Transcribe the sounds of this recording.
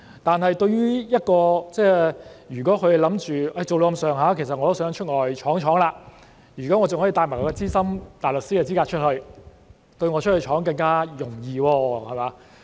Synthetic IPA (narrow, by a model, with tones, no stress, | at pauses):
t̪aː˨nhɐ˨jt̪ɵ˧ɥɥyː˥jɐ˥t̚kɔː˧t͡sɛː˥˩jyː˨˩kɔː˨˥kʰɵ˧˨lɐ˨˥mt͡ʃyː˨˩ʔɐ˧jt͡so˨wlo˨˧ɐ˧msœː˨˩ŋɦaː˨˧˥kʰe˨˩sɐ˨t̚ŋɔ˨˧t̪sœː˨˥ŋt͡ʃʰɵ˥t̚ŋɔː˨˩jt͡ʃʰɔː˨˥ŋt͡ʃʰɔː˨˥ŋlaː˧ | jyː˨˩kɔː˨˥ŋɔː˨˧t͡sʊ˨ŋhɔː˨˥i˨˧t̪aː˧jma˨˩kʰːɔ˨˧kɛ˧t͡siː˥sɐ˥mt̪aː˨˩jlɵ˨k̚siː˥kɛ˧t͡si˥kaː˧t͡ʃʰɵ˥t̚hɵ˧ɥ | t̪ɵ˧ɥŋɔ˨˧t͡ʃʰt̚hɵ˧t͡ʃʰɔː˨˥ŋkɐ˧ŋkaː˥jʊ˨˩ŋjiː˧wɔː˧hɐ˨jmaː˨˧˦